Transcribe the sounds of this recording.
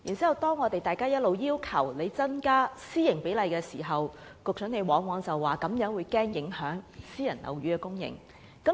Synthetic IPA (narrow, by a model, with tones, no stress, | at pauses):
jiː˨˩nt͡si˨˥hwt̪ɔː˥ŋːɔː˨˧t̪e˨jt̪aː˨jkaː˥jɐ˥t̚lo˨˧wjiː˥wkʰɐ̰˨˩wle˨˧jt͡sɐ˥nkaː˥siː˥jɪ˨˩ŋpe˨˥lɐ˨jkɛː˧siː˨˩ɦɐ˨w | kʊ˨k̚sʰɵ˨˥ne˨˧jwɔː˨˥ŋwɔː˨˧ŋt͡sɐ˨wːaː˨˩kɐ˨˧˥mjœː˨˥ŋwuː˨˧jkɛː˥ŋjɪ˨˥ŋhœː˨˥ŋsiː˥jɐ˨˩nlɐ̰˨˩wɥyː˨˥kɛ˧kʊ˥ŋjɪ̰˨˩ŋ | kɐ˨˥